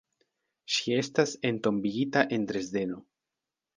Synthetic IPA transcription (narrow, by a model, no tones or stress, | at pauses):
ʃie̞stase̞nto̞mbiɡitaʔe̞nt̪ɾe̞zde̞no̞